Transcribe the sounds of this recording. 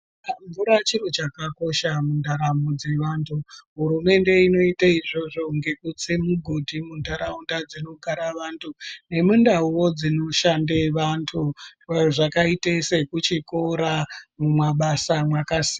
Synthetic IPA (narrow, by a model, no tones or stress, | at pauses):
ɱvuɾat͡ʃiɾot͡ʃakako̞ʃamundaɾamud͡ze̞ʋaːntʰuɦuɾume̞nde̞ino̞itaiʐo̞ʐo̞ŋɡe̞kut͡semuɡʱodʱimundaɾaundad͡zino̞ɡʱaɾaʋantʰune̞mundauwo̞d͡zinoʃandeʋantʰuwejoʐakaitesekut͡ʃiko̞ɾamumwaɓasamwakasi̥ːa